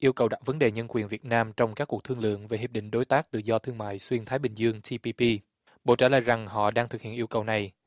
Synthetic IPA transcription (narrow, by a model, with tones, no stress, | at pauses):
ʔi˧əwkə˨˩wɗa̰ː˧˥k̚və˨˦nɗe˨˩ɲə˧nkwi˨˩ənvi˨˩ət̚naː˧mt͡ɕɔ˧wŋ͡mkaː˦˥kːu˨˩ək̚t̪ʰɨ˧ŋlɨ̰˧˨əŋve˨˩hi˧˩p̚ɗḭ̈˧˨ŋ̟ɗo˨˦jt̪aː˦˥k̚t̪ɨ̰˧˨zɔ˧t̪ʰɨ˧əŋma̰ː˧˨jswi˧ənt̪ʰaː˨˦jɓï˨˩ŋ̟zɨ˧əŋt͡ɕi˧pi˧pi˧ | ɓo̰˧˨t͡ɕaː˧˩lə̰ː˧˨jza˨˩ŋɦɔ̰˧˨ɗaː˧ŋt̪ʰɨ˨˩k̚hḭ˧˨ənʔi˧əwkə˨˩wna˨˩j